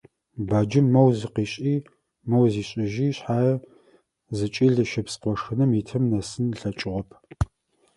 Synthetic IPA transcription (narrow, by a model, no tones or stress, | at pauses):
baːd͡ʒɪmːɐwziqiːɕʼiː | mɐwziːɕʼɪʒiːɕħaːjɐ | zɨt͡ʃʼiːɮɨʃɪpsqʷɔʂɨnɨmitʰɨmnɐsɨnɬɐt͡ʃʼɪʁɔpʰ